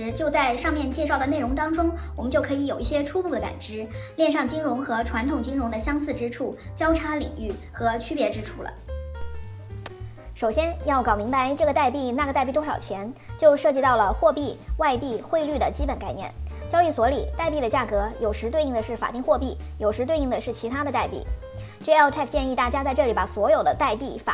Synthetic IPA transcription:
ɻ̩˧˥t͡ɕjo˥˧ʊt͡sa˥˧ɪʂɑ˥˧ŋmjɛ˥˧nt͡ɕjɛ˥˧ʂɑ˥˩ʊd̪ə˩ne˥˩ɪʊ˧˥ŋt̪ɑ˥ŋʈ͡ʂʊ˥ŋwɔ˨˩mə˦nt͡ɕjo˥˩ʊkʰɤ˧˥i˧˥jo˨˩ʊi˥˩ɕjɛ˥ʈ͡ʂʰu˥pu˥˩d̪ə˩ka̰˨˩nʈ͡ʂɻ̩˧˥ljɛ˥˧nʂɑ˥˩ŋt͡ɕi˥ŋɻʊ˧˥ŋxɤ˧˥ʈ͡ʂʰwa˧˥nt̪ʰʊ˨˩ŋt͡ɕi˥ŋɻʊ˧˥ŋd̪ə˧ɕjɑ˥ŋsɹ̩˥˩ʈ͡ʂɻ̩˥ʈ͡ʂʰu˥˩t͡ɕjɑ˥ʊʈ͡ʂʰa˧˥lḭ˨˩ŋy˥˩xɤ˧˥t͡ɕʰy˥pjɛ˧˥ʈ͡ʂɻ̩˥ʈ͡ʂʰu˥lə̰˩ | ʂo˨˩ʊɕjɛ˥njɑ˥˩ʊkɑ˨˩ʊmi˧˥ŋpa˧˥ɪʈ͡ʂɤ˥˩ɡə˩t̪a˥˧ɪpi˥˧na˥˩ɡə˩t̪a˥˧ɪpi˥˩t̪ʊ˥ʂɑ˨˩ʊt͡ɕʰjɛ˧˥nt͡ɕjo˥˧ʊʂɤ˥˧˩t͡ɕi˥˧t̪ɑ˥˩ʊlə˩xwɔ˥˧pi˥˧˩wa˥˧ɪpi˥˧xwe˥˧ɪly˥˩d̪ə˩t͡ɕi˥pə˨˩nka˥˩ɪnjɛ̰˥˩nt͡ɕjɑ˥ʊi˥˩swɔ˧˥li˨˩t̪a˥˧ɪp̬i˥˩d̪ə˩t͡ɕja˥˩kɤ˧˥jo˨˩ʊʂɻ̩˧˥t̪we˥˧ɪi˥˩ŋd̪ə˩ʂɻ̩˥˩fa̰˨˩t̪i˥˧ŋxwɔ˥˧pi˥˩jo˨˩ʊʂɻ̩˧˥t̪we˥˧i˥˩ŋd̪ə˩ʂɻ̩˥˩t͡ɕʰi˧˥a˥d̪ə˧t̪a˥˧ɪpḭ˥˩ | ʈ͡ʂɤ˥˧˩ɛ˥˧˥t̪ʰɛ˥˧˩kʰt͡ɕjɛ˥˧ni˥˧t̪a˥˩t͡ɕja˥t͡sa˥˧ɪʈ͡ʂɤ˥˩li˧˥pa˨˩swɔ˧˥jo˨˩ʊd̪ə˦t̪a˥˧ɪpi˥˩fa̰˨˩

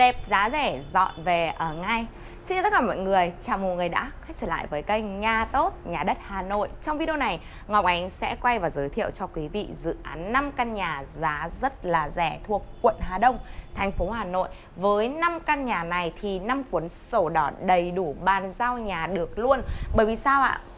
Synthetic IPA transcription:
ɗɛ˨˩p̚zaː˨˦zɛ˧˩zɔ̰˧˨nve˨˩ʔəː˧˩ŋa˧˩j | si˧n˧˨˩t̪ə˦˥kːaː˧˩mɔ̰˧˨ŋɨ˨˩əjt͡ɕaː˨˩wmo˨˩t̚ŋɨ˨˩əjɗa̰ː˧˥xa˦˥k̚t͡ɕəː˧˩la̰ː˧˨jvəː˨˦jkə˧jŋaː˧t̪o˦˥t̚ɲaː˨˩ɗə˦˥t̚haː˨˩no̰˧˨jt͡ɕɔ˧wŋ͡mvi˧ɗi˧na˨˩j | ŋɔ˨˩wk͡p̚ʔa˨˦jŋ̟sɛ̰˧˥kwa˧jvaː˨˩wzəː˨˦jt̪ʰi˧˨əwt͡ɕɔ˧kwi˨˦vḭ˧˨zɨ̰˧˨ʔa̰ː˨˦nːa˧mka˧nɲaː˨˩zaː˨˦zə˦˥t̚laː˨˩zɛ˧˩t̪ʰu˨˩əkːwə̰˧˨nɦaː˨˩ɗə˧wŋ͡mt̪ʰɛ˨˩jŋ̟fo˨˦ɦaː˨˩no̰˧˨j | vəː˨˦jna˧mka˧nɲaː˨˩na˨˩jt̪ʰi˨˩na˧mkwənso˧˩ɗɔ˨˦ɗə˨˩jɗu˧˩ɓaː˨˩nzaː˧wɲaː˨˩ɗɨ˨˩ək̚lu˧ənɓəː˧˩jvi˨˩saː˧wʔa̰ː˧˨

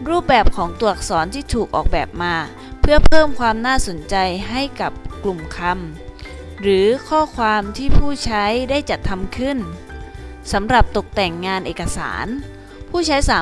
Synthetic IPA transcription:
ɾuː˥˩p̚bɛː˨˩p̚kʰɔː˩˦ŋt̪u˨˩ək̚sɔː˩˦nt̪ʰiː˥˩t̪ʰuː˨˩k̚ʔɔ̰ː˨˩k̚bɛː˨˩p̚maː˧ | pʰɯ˥˩ɐpʰɤː˥˩mkʰwaː˧mnaː˥˩so˩˦nt͡ɕa˧jɦa˥˩jka˨˩p̚klu˨˩mkʰa˧m | ɾɯː˩˦kʰɔː˥˩kʰwaː˧mt̪ʰiː˥˩pʰuː˥˩t͡ɕʰa˦˥jdaː˥˩jt͡ɕa˨˩t̪ʰːa˧mkʰɯ˥˩n | sa˩˦mɾa˨˩p̚t̪o˨˩k̚t̪ɛ˨˩ŋːaː˧nʔeː˨˩ka˧sa̰ː˩˦n | pʰuː˥˩t͡ɕʰa˦˥jsaː˨˩˦

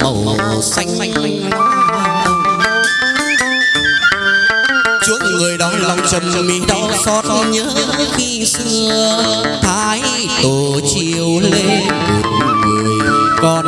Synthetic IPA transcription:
mə˨˩w | sa˧jŋ̟˧ŋ˧ | a˨˧˦ | t͡ɕu˧˦˥ək̚ŋɨ˨˩əjɗɔ˨˦la˨˧˩wŋ͡mt͡ɕə˨˩mmi˨˦ɗɔ˨˧˦sɔ˧˦t̚ɲəː˦ | ki˧sɨ˧ət̪ʰaː˧˦j | t̪o˨˩ | t͡ɕi˧əwle˧nt̪ɨ˨˩t̚ŋɨ˨˩əjjkɔ˧

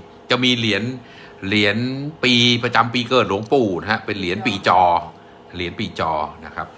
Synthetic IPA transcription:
t͡ɕa˨˩miː˧li˩˦ən | li˩˦ənpiː˧pɾa˧t͡ɕa˧mpiː˧kɤː˨˩t̪̚lu˨˩˦ŋpuː˨˩n˦ɦa˦˥pe˧nli˩˦ənpiː˨˩˦t͡ɕɔː˧ | li˨˩˦ənpiː˨˩t͡ɕɔː˧na˦˥kʰa˦˥p̚

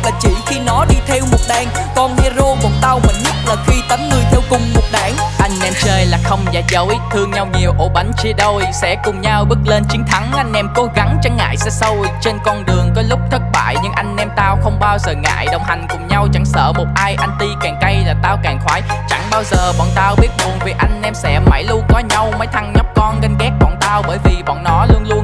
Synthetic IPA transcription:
laː˨˩t͡ɕḭ˧˩xi˧nɔ˨˦ɗi˧t̪ʰɛ˧wmo˨˩t̚ɗaː˨˩ŋ | kɔ˧nhɛ˧zo˧ɓo˨˩˦nt̪a˧wmi˨˩ŋɲə˦˥t̚laː˨˩xi˧t̪ə˨˦nŋɨ˨˩əjt̪ʰɛ˧wkʊ˨˧˩ŋ͡mmo˨˩t̚ɗaː˧˩ŋʔa˧jŋ̟nɛ˧mt͡ɕəː˧jlaː˨˩xə˧wŋ͡mza̰ː˧˨˥jzə˨˦jt̪ʰɨ˧əŋɲa˧wɲi˨˩əwʔo˧˦ɓa˨˦jŋ̟t͡ɕi˧əɗo˧jsɛ̰˧˥kʊ˨˩ŋ͡mɲaː˧wɓɨ˦˥k̚le˧nt͡ɕi˨˦ŋt̪ʰa˨˦ŋʔa˧jŋ̟ʔɛ˧mko˨˦ɣa˨˦ŋt͡ɕa˨˦ŋːa̰ː˧˨jsɛ̰˧˥sə˧wt͡ɕe˧nkɔ˧nɗɨ˨˩əŋkɔ˨˦lʊ˦˥k͡p̚t̪ʰə˦˥t̚ɓa̰ː˧˨jɲɨ˧ŋʔa˧jŋ̟nɛ˧mt̪aː˧wxə˧wŋ͡mɓaː˧wzəː˨˩ŋa̰ː˧˨jɗə˨˩wŋ͡mɦa˨˩jŋ̟kʊ˨˩ŋ͡mɲa˧wt͡ɕa˧˩ŋsə̰ː˧˨mo˨˩t̚ʔaː˧jʔa˧jŋ̟t̪i˧kaː˨˩ŋkə˧jlaː˨˩t̪aː˧wkaː˨˩ŋxwaː˨˦jt͡ɕa˧˩ŋɓaː˧wzəː˨˩ɓɔ̰˧˨nt̪aː˧wɓi˦˥ət̚mu˨˩ənvi˨˩ʔa˧jŋ̟nɛ˧msɛ̰˧˥ma˧˩jlu˧ənkɔ˨˦ɲa˧wməː˨˦jt̪ʰa˧ŋɲɔ˦˥p̚kɔ˧nɣə˧ŋ̟ɣɛ˦˥ɓɔ̰˧˨nt̪aː˧wɓəː˧˩jvi˨˩ɓɔ̰˧˨nːɔ˨˦lu˧ənlu˧ən

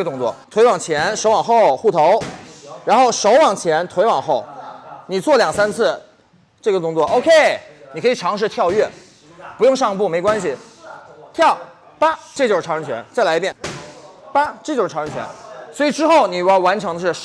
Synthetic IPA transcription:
ə˩t̪ʊ˥ŋt͡swɔ˥˩t̪ʰwe˧˥ɪwɑ˨˩ŋt͡ɕʰjɛ˧˥nʂo˧˥ʊwɑ˨˩ŋxo˥˧ʊxu˥˩t̪ʰo˧˥ʊɻa˧˥nxo˥˩ʊʂo˧˥ʊwɑ˨˩ŋt͡ɕʰjɛ˧˥nt̪ʰwe˧˥ɪwɑ˨˩ŋxo˥˩ʊni˨˩t͡swɔ˥˩ljɑ˨˩ŋsa˥nt͡sʰɹ̩˥˩ | ʈ͡ʂɤ˥˩ɡə˩kʊ˥ŋt͡swɔ˥˩ʔo˥ʊkʰe˥˩ɪni˨˩kʰɤ˧˥i˨˩ʈ͡ʂʰɑ˧˥ŋʂ̬ɻ̩˥˧t̪ʰjɑ˥˧ʊɥɛ˥˩ | pu˧˥jʊ˥˧ŋʂɑ˥˧ŋ˧pu˥˩me˧˥ɪkwa˥nɕ̬i˨ | t̪ʰjɑ˥˩ʊ | pa˥ʈ͡ʂɤ˥˩t͡ɕo˥˧ʂ̩ʰ˥˩ɑ˧˥ŋɻə˧˥ŋt͡ɕʰɥɛ̰˧˥nt͡sa˥˩ɪla˧˥ɪpjɛ˥˩n | pa˥ʈ͡ʂɤ˥˩t͡ɕjo˥ʂ̩ʰ˥˩˧ɻə˧˥ŋt͡ɕʰɥɛ̰˧˥nswɔ˧˥i˨˩ʈ͡ʂɻ̩˥xo˥˩ʊni˨˩˧a˧˥˩wa˧˥nʈ͡ʂʰɤ˧˥ŋd̪ə˧ʂɻ̩˥˩

